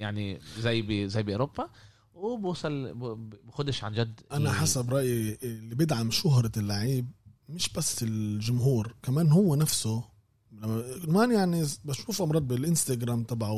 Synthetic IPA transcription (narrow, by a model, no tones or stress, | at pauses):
jaʕnizæjːbzæjːbiʔoɾobːa | wbuːsˤɑlbxʊd̪ɪʃʕa̰nd͡ʒad̪ːʔanaħasabɾˤɑʔjilːibɪd̪ʕamʃʊɦɾˤlːaʕiːb̚mɪʃb̥asːɪlʒʊmɦuːɾkamaːnhʊwːenafsʊ | maːnjaʕnibaʃuːfʔɑmɾˤɑːd̪̚bɪlʔɪnst̪aɡɾˤaːmt̪ˤɑbʕa